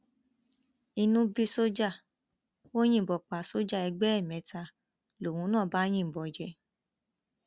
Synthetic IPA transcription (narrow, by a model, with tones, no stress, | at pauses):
i˧nũ˦bi˧so˦d͡ʒa˦˨ | o˦j̃ĩ˦˨bɔ˨k͡pa˨˦so˦d͡ʒa˦˨ɛ˧ɡ͡bɛ˦ɛ˦˨mɛ̃˨˧˦ta˧ | lo˨wũ˨˦nãː˦˨ba˦j̃ĩ˦˨bɔ˨d͡ʒɛ˧˦